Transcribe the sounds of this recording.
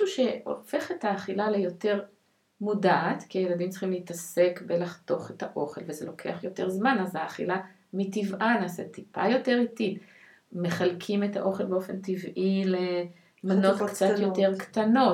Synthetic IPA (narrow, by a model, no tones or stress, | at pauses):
uʃe̞o̞̰fe̞χethaːχilalejo̞te̞ʁ | mudaːt̪kiajeladimt͡si̥χimleitase̞kbe̞laχt̪o̞χe̞taʔo̞χe̞lvezelo̞kʰeaχjo̞te̞ʁzmanazaːχḭla | mitivʔanaːsetipʰa̰jo̞te̞ʁitit | meχalkʰimeta̰ʔo̞χelbeofe̞ntivʔile | mano̞t̪kt͡sat̪joteʁkt̪ano̞